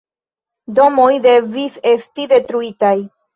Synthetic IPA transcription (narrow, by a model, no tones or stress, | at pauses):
do̞mo̞jde̞vise̞stide̞tɾuitaj